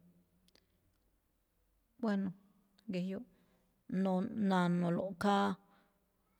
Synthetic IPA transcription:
bwe˦no˨ | ɡe˨jo˦ʔ | no˧nã˧nõ˨˧lo˨ka˦

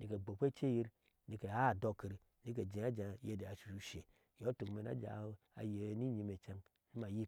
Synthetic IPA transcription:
ni˨ke˨ɡ͡bo˨kʷe˦t͡ʃe˦ji˦ɾ | ni˨ke˨a˦˨do˦ki˨ɾi˨ | ni˨˦k̬e˨d͡ʒe˨a˦d͡ʒa˨je˦˨de˨a˨ʃu˨u˨ʃe˨ | jo˨˦to˨kme˨n˦a̰˦d͡ʒa̰˨˦ | a̰˨je˨˦ni˦ɲi˨me˨t͡ʃa˦n | ni˦ma˨ji˦

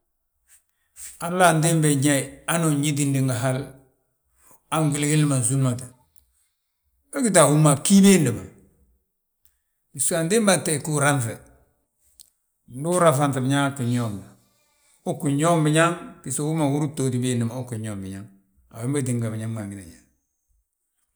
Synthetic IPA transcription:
a˨lːa˦˨ndi˦mbe˨ɲa˦i˨a˦no˨ɲi˦di˦ndi˨ŋɡa˨ɦa˦l | a˦ŋɡi˨lɡi˦li˦ma˨nzu˦lma˨ta˨ | a˦ɡi˦ta˨wu˦ma˨ki˦be˦ndi˨ma˨ | bi˨su˦a˨ndi˦mba˨te˦˨ku˦ɾa˦ɱfe˨ | ndu˦ɾa˨fa˨nti˨bi˨ɲa˦ku˨ɲo˦˨m˨ | u˦ku˨ɲo˦mbi˨ɲa˦ŋbi˨so˨wu˦ma˨wu˦ɾu˦to˨ti˨be˦˨ndi˨ma˨u˦ku˨ɲoː˦˨mbi˨ɲa˦ŋ | a˨we˦mba˦di˨ŋɡa˨bi˨ɲa˦ŋba˨ŋɡi˦na̰˨ɲa˨

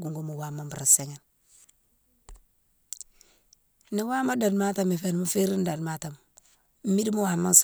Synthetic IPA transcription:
ɡu˨ŋɡo˦mu˨wa˨ma˦mba˨ɾa˨se˨ŋa˨n | ni˨wa˦ma˦da˨dma˦ta˨mi˨fe˨n˨mu˦fe˦ɾi˦n˦da˨dma˦ta˨m | m̩˦mi˦di˦mu˦wa˨ma˦ns

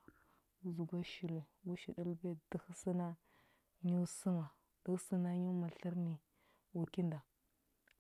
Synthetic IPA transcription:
zu˨ɡʷa˦ʃi˨ɾe˨wu˦ʃi˨di˦lbe˦də˦xsi˦na˦ | ɲu˦su˦ma˨ | d̥ə˦sə˦na˦ɲu˦ma˨ɬə˦ɾni˨ | wu˨ki˦nda˨

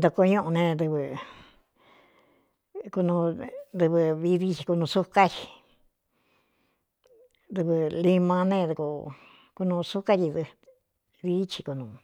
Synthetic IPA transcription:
d̪o˧ko˧ɲũ˦ʔũ˧nẽ˧d̪ɨ˧βɨ˧ | ku˧nũ˧d̪ɨ˧βɨ˧βi˧˦ði˦t͡ʃi˧ku˧nũ˧su˦ka˦t͡ʃi̥˧ | d̪ɨ˧βɨ˧li˧mã˧nẽ˦˧d̪u˧ku˧ | ku˧nũ˧su˦ka˦t͡ʃi˧ðɨ˧ | ði˦t͡ʃi˧ku˧nũ˧

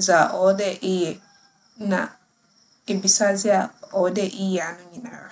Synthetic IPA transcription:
za˨ʔɔ˨˦dɛ˦ʔɪ˦jɛ˨˦ | na̰˨ | ɪ˨bi˨sa˦zi˦a˦ɔ˨˦dɛ˦ʔi˦jɛ˨a˨nʊ˦ɲi˨na̰˨ɾa̰˦˨

